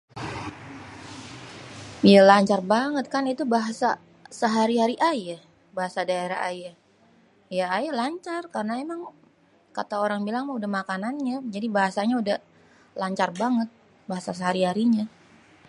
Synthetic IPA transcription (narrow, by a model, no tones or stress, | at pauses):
jalaɲt͡ʃarbaŋət̪̚kanit̪ubaɦasa | səɦaɾiɦaɾiʔajah | baɦasadaeɾa̰ha̰ja | jaːjalaɲt͡ʃarkarnaemaŋ | ka̰t̪aoɾaŋbilaŋmaudahmakananɲad͡ʒadibaɦasaɲaudah | laɲt͡ʃarbaŋət̪̚ | baɦasas̬əɦaɾiɦaɾiɲa